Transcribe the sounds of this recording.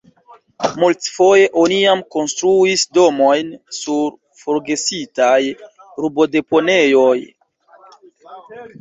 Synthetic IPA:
multfo̞je̞ʔo̞niamko̞nstɾuisdo̞mojnsuɾ | foɾɡe̞sitaj | ɾubo̞de̞po̞ne̞jo̞j

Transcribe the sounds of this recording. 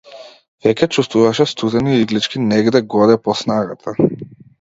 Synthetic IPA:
vɛcʲɛt͡ʃust̪vuvaʃɛst̪ud̪ɛniiɡlit͡ʃkʲinɛɡd̪ɛɡɔd̪ɛpɔsnaɡat̪ʰa

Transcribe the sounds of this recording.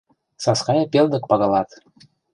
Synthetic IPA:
sɑskɑjɑpeld̪ɤ̆k̚pɑɣɑlɑt̪

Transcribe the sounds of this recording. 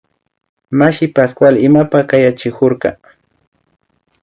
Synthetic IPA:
maʃɪpaskwalɪmapakajat͡ʃɪkʊɾkɑ

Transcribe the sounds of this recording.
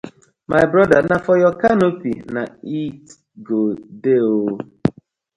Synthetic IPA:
mʔajbɾɔdanafɔjɔkanopḭna̰it | ɡodeo

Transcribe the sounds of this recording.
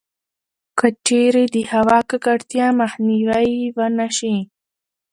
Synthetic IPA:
kat͡ʃeɾed̪əhawɑkakaɽt̪jɑmaxniwaiwanaʃi

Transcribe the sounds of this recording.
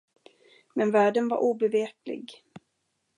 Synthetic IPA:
mɛnvæːɖənva̰ɾʔuːbɛveːplɪ̰ɡ

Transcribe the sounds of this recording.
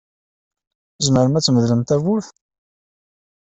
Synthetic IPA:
zməɾmæt͡sːməðləmt̪ævʊθ

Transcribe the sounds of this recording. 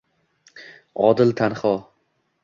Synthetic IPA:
ɒd̪ɪlt̪ʰanχɒ

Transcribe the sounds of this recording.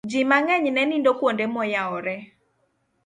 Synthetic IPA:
d͡ʒimaŋɛɲnɛnindokwondemɔjaɔɾɛ

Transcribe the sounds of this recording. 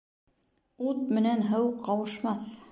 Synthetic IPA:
ut̪̚mɘ̆nænɦɤwqʰːɑwɤ̆ʃmɑθ

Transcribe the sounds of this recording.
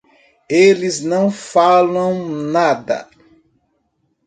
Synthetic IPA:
elɪznɐ̃w̃falɐ̃w̃nad̪ɐ̰

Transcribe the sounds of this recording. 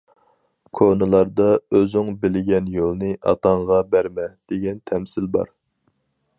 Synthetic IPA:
kʰonɨlˠɑɾd̪ɑøzɪŋbɪlɪɡʲɛnjolˠnɨʔɑ̰t̪ʰɑɴʁɑbæɾmɛd̪̥eɡʲɛnt̪ʰɛmsɪlbɑ̰ɾ

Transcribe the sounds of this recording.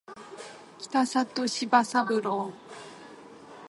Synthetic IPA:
kʲi̥t̪asat̪oɕibasabɯɾo

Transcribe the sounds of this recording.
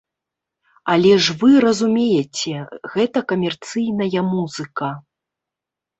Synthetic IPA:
ɐlʲɛʐvɨɾɐzumʲejɛt͡sʲɛɣɛt̪ɐkɐmʲɛrt̪sɨjnɐjɐmuzɨkɐ

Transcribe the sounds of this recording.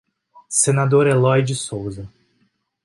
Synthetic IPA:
senad̪oɾɛlɔjd͡ʒɪsowzɐ

